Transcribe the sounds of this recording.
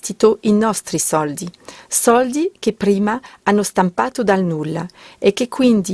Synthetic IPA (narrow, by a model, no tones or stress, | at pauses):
t̪it̪oʔinɔst̪ɾisɔld̪isɔld̪ikepɾiːmaanːost̪ampaːt̪od̪alnulːa̰ekːekːwind̪i